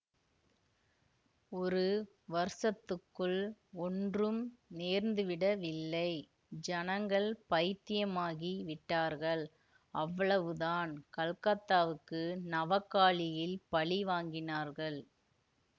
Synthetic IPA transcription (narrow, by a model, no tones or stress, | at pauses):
ɔɾɯ | ʋɐɾsɐt̪ːɯkːɯɭɔndrɯmneːɾnd̪ɯʋɪɽɐʋɪlːɐɪ | d͡ʒɐnɐŋɡɐɭpɐjɪt̪ːɪjɐmaːɣiʋɪʈːaːɾɣɐɭ | ɐʋːɐɭɐʋɯðaːnkɐɭkɐt̪ːaːʋɯkːɯnɐʋɐkːaːɭɪjɪlpɐɭiʋaːŋɡɪnaːɾɣɐɭ